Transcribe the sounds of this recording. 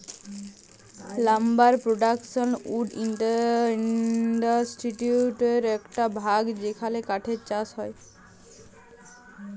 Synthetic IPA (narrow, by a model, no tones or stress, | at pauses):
lambaɾpɾoɖakʃonuɖḭɳʈa | ɖasʈiʈuʈeɾɛkʈabʱaɡd͡ʑekʰalekaʈʰeɾt͡ɕasɦɔe